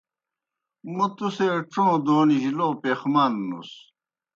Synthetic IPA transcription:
mut̪useʈ͡ʂõːd̪oːniʑiloːpeːxmanːṵs

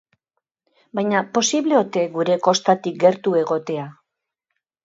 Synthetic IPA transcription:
bajɲapo̞siβleo̞t̪e̞ɡuɾe̞ko̞st̪at̪ik̚ɡe̞ɾt̪ue̞ɣo̞t̪e̞a

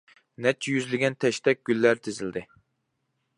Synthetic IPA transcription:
nɛt͡ʃʰːɛjyzlɪɡʲɛnt̪ʰɛʃt̪ɛk̚ʲɡ̥ʲylːæɾt̪ʰezɪld̪ɪ

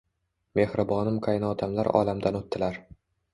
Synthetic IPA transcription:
me̞hɾɪbɒnɪmqʰajnɒd̪ʰamlaɾɒ̰lamd̪anot̪ːɪlaɾ

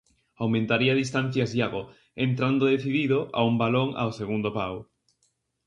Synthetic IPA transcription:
awmẽnt̪aɾiaðist̪an̟θjazjaɣo | ent̪ɾand̪oðeθiðiðʊʔa̰umbaloŋa̰wseɣund̪opaw

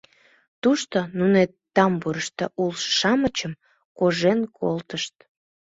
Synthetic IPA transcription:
t̪uʃt̪onunet̪ːɑmbuɾəʃt̪əʔulʃʃɑmət͡ɕəm | koʒenkʰo̰lt̪əʃt̪̚

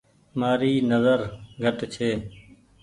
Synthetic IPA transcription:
maːɾiːnəzəɾɡʱəʈt͡ʃʰeː

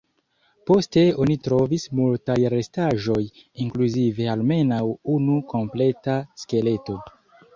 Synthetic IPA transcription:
po̞ste̞o̞nitɾo̞vismultajɾe̞staʒo̞jiŋkluzive̞alme̞nawunukʰo̞mple̞taske̞le̞to̞

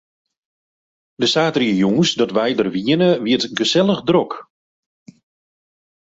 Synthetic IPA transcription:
dəsaːtriəjuŋsdɔtʋɛjdərʋiənəʋiətɡəsɛlˠəxdrɔk

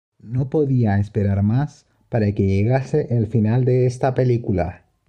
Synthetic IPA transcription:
no̞po̞ðiaespe̞ɾaɾmas | paɾake̞ʝeɣase̞ʔːlfinald̪e̞est̪ape̞likula̰

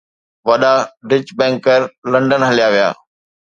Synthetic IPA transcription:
ʋɐɗaɖɪd͡ʑbɛ̃ːŋkəɾlɐ̃ɳɖənɦɐlijaʋija̰ː

